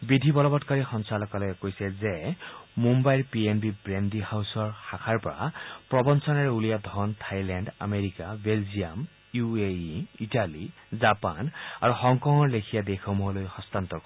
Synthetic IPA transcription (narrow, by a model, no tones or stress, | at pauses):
bidʱibɔlɔbɔtkaɹixɔnsalɔkalɔjɛkojsɛzɛmumbajɹpienbibɹendihawsɔɹxakʰaɹpɔɹa̰pɹɔbɔnsɔnaɹɛulijad̪ʱɔntʰajlɛnɖa̰meɹikabelzijam | jueitalizapana̰ɹuxɔŋkɔŋɔɹlekʰijadexɔmuɦɔlojxɔst̪ant̪ɔɹkɔ